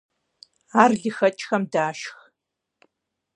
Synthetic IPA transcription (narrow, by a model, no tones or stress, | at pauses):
aːrɮɨxɐt͡ʃʼxɐmdaːʃx